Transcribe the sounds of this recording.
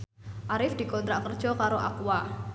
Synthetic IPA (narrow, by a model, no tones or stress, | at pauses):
ʔaɾɪfd̪̥i̤kɔnt̪ɾaʔkərd̥ʒ̥ɔkaɾoʔa̰kwa